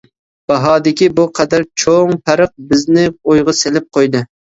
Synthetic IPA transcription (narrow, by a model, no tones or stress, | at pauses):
b̥ɑɦɑːd̪ɪkʲibuqʰɛd̪æɾt͡ʃʰoŋpʰæɾɨq̚bɪznɪojʁɑselɪp̚qʰojd̪ɨ